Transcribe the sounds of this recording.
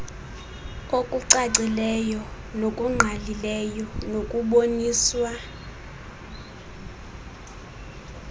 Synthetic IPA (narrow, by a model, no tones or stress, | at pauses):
kʼokʼuǀaǀilɛjɔ | nokʼuŋ͡ǃʱalilɛjɔnokʼuɓoniːswa